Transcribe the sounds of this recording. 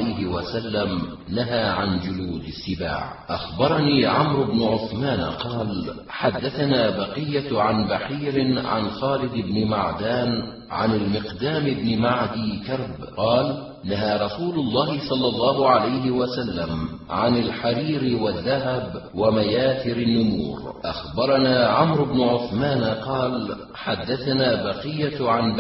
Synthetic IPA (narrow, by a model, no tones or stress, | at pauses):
ajhɪwasalːam | naɦaːʕand͡ʒʊluːd̪ɪsːɪba̰ːʕ | ʔaxbɑɾˤɑniːʕamɾʊbnʊʕʊθmaːnqɑːl | ħad̪ːaθanaːbɑqɨjːaʕanbaħiːɾɪʕa̰nxaːlɪd̪ɪbnɪma̰ʕd̪aːn | ʕa̰nalmɪqd̪aːmɪbnɪmaʕd̪iːkɑɾˤb | qɑːlʔɪnːaɦaːɾˤɑsuːlʊlˤːɑːɦɪsˤɑlːɑlˤːɑːɦʊʕalajhɪwasalːamʕanalħaɾiːɾɪwaðːaɦabwamajaːθɪɾanːʊmṵːɾʔa̰xbɑɾˤɑnaːʕamɾʊbnʊʕʊθmaːnqɑːl | ħad̪ːaθanaːbɑqɪjːaʕan